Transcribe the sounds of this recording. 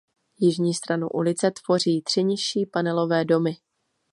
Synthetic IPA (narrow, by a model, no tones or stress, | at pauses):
jɪʒɲiːst̪ɾanṵʔṵlɪt͡sɛt̪v̥o̞r̝iːt̪r̥ɪɲɪʃiːpanɛlo̞vɛːdo̞mɪ